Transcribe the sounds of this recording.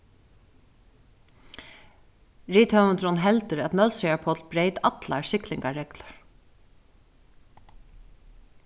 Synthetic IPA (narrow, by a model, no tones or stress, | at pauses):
ɹiːt̪ʰhœmənt̪ɾɔnɦɛlt̪əɾæt̪nœlsiapʰɔt̪lbɾeːjt̪at̪la̰ɹsɪklɪŋkaɹɛkləɹ